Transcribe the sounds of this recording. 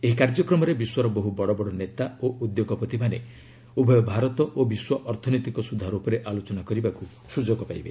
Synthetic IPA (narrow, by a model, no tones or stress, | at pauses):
eɦikaɾd͡ʒɔkɾɔmɔɾebiswɔɾɔboɦubɔɽɔbɔɽɔnet̪aoʔud̪joɡɔpɔt̪ibʰʱane | ubʱɔjɔbʱaɾɔt̪ɔʔobiswɔʔɔɾt̪ʰɔnojt̪ikɔsud̪ʱaɾupɔɾeʔalot͡ʃɔnakɔɾibaku | sud͡ʒɔɡɔpaibe